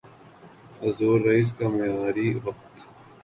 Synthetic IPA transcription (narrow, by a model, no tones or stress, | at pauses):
ɐzoːɾːɐiːs̬kamɐjaːɾiːʋɐq̚t̪